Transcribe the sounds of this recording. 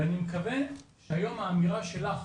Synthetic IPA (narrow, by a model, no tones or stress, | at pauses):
animekave̞nʃhajo̞maːmiʁaʃe̞laχ